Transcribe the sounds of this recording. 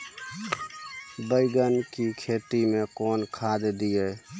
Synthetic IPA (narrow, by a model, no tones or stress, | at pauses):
bəɪɡənkikʰeːt̪imẽkɔːnkʰaːd̪d̪ieː